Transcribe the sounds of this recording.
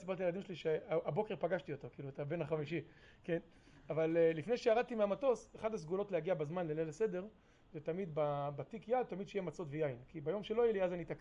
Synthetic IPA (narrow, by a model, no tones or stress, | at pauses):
sibaʁt̪ijelad̪imʃeliʃeaabokeʁpaɡaʃt̪iot̪o̞kiːluet̪abe̞naχamiʃi | ke̞n | avalːifne̞jʃejaʁad̪̚t̪imeamato̞seχad̪has̬ɡulo̞tlehaɡiabazmanlelelese̞de̞ʁ | zet̪amid̪babat̪ikjad̪̚t̪amid̪ʃejemat͡so̞tvejainkibajo̞mʃelo̞jeliazanit̪ak